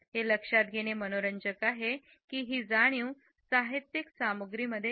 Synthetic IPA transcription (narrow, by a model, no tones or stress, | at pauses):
ɦeləkʂat̪̚ɡʱeɽ̃emənoɾəɲd͡ʑəkaɦe | kiːɦiːd͡zaɽ̃jũ | saɦit̪jiksamuɡɾiːməd̪ʱːje